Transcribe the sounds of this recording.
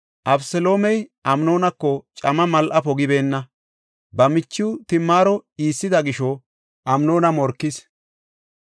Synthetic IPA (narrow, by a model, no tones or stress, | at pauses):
ʔɐbsɛlo̞ːmɛjʔɐmno̞ːnɐkːɔt͡ʃʼɐmɐmɐlʔɐpɔɡɪbe̞ːnːɐ | bɐmɪt͡ʃːɪʊt̪ɪmːaːɾɔiːsːɪd̪ɐɡɪʃɔ | ʔɐmno̞ːnɐmɔɾkːɪs